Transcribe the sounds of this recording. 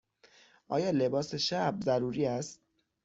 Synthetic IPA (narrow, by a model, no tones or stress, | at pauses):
ʔɒ̰ːjɒːle̞bɒːse̞ʃæbzæɾuːɾiːæst̪̚